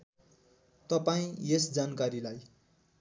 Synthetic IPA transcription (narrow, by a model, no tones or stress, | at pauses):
t̪ʌpaĩesd͡zankaɾilaj